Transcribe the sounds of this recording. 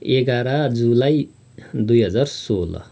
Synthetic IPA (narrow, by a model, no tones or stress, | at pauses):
eɡaɾad͡zulaj | d̪ujɦʌd͡zaɾsolʌ̰